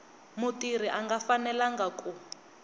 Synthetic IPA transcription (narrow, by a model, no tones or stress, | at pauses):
mutir̤iʔaŋɡafanɛlaŋɡakʼu